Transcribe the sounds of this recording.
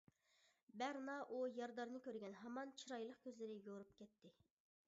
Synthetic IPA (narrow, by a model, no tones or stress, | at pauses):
bæɾnɑʔujɑɾd̪ɑɾnɨkʲøɾɡʲɛnɦɑmɑnt͡ʃʰiɾɑjlˠəqkʲøzlɪɾɪjoɾup̚kʲɛt̪ʰːɪ